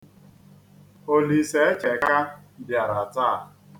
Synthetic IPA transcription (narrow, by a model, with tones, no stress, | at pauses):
o˦li˨se˨e˦t͡ʃe˨ka˦dɪ˨a˨ɾa˨taː˦˨